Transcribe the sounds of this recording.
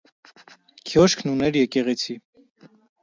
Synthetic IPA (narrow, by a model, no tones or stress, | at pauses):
kʰjɔʃkʰnunɛɾjɛkɛʁɛt͡sʰi